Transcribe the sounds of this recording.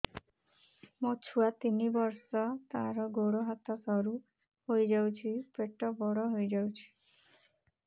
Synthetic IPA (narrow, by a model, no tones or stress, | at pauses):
mɔt͡ʃʰuat̪inibɔɾsɔt̪aɾɔɡoɽɔɦat̪ɔsɔɾu | hojd͡ʒawt͡ʃʰipeʈɔbɔɽɔɦojd͡ʒawt͡ʃʰi̥